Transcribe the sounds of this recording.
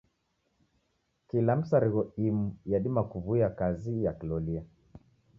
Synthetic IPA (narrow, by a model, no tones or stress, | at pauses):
kilam̩saɾiɣɔimujaɗimakuvuiakazijakilɔlia